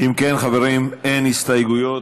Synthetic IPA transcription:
ʔimkenχaveʁimenhist̪ajɡujo

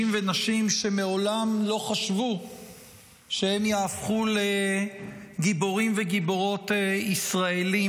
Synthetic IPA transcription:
imvenaʃimʃe̞meo̞lamlo̞χaʃvu | ʃehe̞mjaːfχule | ɡiboʁimve̞ɡibo̞ʁo̞t̪eisʁaeli

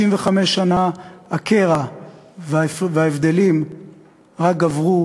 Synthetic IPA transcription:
imveχame̞ʃanaakeʁavvaevd̪e̞lim | ʁak̚ɡavʁu

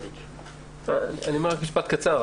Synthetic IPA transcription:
anianiomeʁakmiʃpat̪̚kat͡saʁ

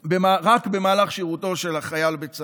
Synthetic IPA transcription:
bemaʁakbe̞maːlaχʃiʁut̪o̞ʃe̞laχajalbet͡s

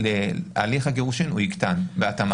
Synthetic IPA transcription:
lea̰liχhaɡeʁuʃinuikt̪anbeat̪am

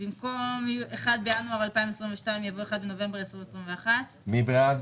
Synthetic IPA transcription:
bimko̞mjuʔeχad̪̚bejanuaʁalpaimesʁiɱveʃtaimjavoeχad̪beno̞ve̞mbeesʁimesʁimveaχat̪mibʁad

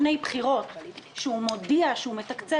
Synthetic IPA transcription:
ne̞jbχiʁo̞t̪ʃeumo̞diaʃeumet̪akt͡se

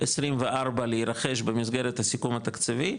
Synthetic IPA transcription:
esʁimveʔaʁbaleiɾaχe̞ʃbemizɡe̞ɾet̪hasikumat̪akt͡savi

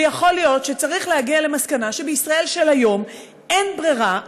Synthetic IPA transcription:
jaχo̞ljo̞tʃet͡saʁiχlehaɡiale̞maskanaʃebeisʁae̞lʃelajo̞m | e̞nbʁiʁa

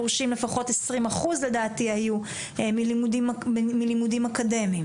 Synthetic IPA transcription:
oʁʃimle̞faχo̞tesʁimaχuzle̞daːtihaju | emilimudimmilimudimakade̞mim

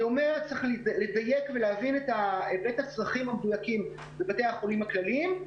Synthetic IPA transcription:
omeʁt͡seχliledaje̞kveleavinetaebetat͡sʁaχimamedujakim | bebatejaχo̞limaklalim

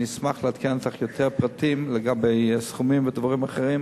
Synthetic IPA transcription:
ismaχleat̪kʰent̪aχjo̞t̪ʰeʁpʁat̪imleɡabe̞jsχumimved̪vaʁimaχeʁim

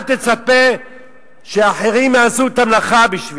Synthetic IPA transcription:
t̪e̞t͡sape | ʃeaħeʁimjaːzut̪amlaχabiʃvi

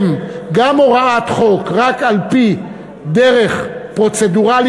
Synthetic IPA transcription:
mɡamoʁaat̪χo̞kʁakalpi | d̪eʁe̞χpʁo̞t͡sed̪uʁal

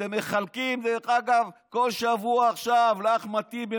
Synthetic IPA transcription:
emːeχalkimd̪eaɡavko̞lʃavuaːχʃavlaχmat̪ibe

